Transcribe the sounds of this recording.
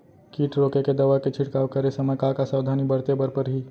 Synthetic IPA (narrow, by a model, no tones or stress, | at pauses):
kiːʈʰɾoːkeked̪ɐʋaket͡ʃʰɪʈkaːʋkəɾesɐməkakasaːd̪ʱaːnibəɾt̪ebəɾpəɾɦiː